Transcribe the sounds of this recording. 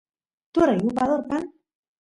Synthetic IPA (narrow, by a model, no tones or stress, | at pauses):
t̪ueɾajɣupaðoɾkan